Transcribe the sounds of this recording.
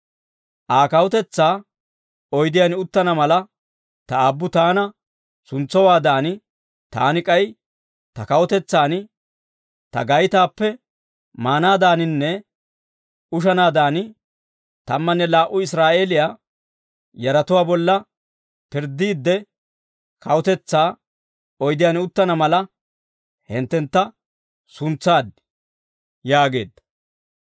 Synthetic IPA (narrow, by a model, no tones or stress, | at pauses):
ʔaːkɐwɔt̪ɛt͡sːaː | ɔjd̪ɪjanɪʊt̪ːɐnɐmɐlɐ | t̪ɐabːʊt̪aːnɐ | sʊnt͡sːɔwaːd̪aːnɪ | t̪a̰ːnɪkʼɐj | t̪ɐkɐwɔt̪ɛt͡sːaːnɪ | t̪ɐ̰ɡɐjt̪aːpːɛ | maːnaːd̪aːnɪnːɛ | ʊʃ̬ɐnaːd̪aːnɪ | t̪ɐmːɐnːɛlaːʔʊɪsɾaːʔe̞ːlɪjaː | jɐɾɐt̪ʊwaːbɔlːɐ | pɪɾd̪ːiːd̪ːɛ | kɐwɔt̪ɛt͡sːaː | ɔjd̪ɪjaːnʊt̪ːɐnɐmɐlɐ | hɪnt̪ːɛnt̪ːɐ | sʊnt͡sːaːd̪ | jaːɡe̞̰ːd̪ːɐ̥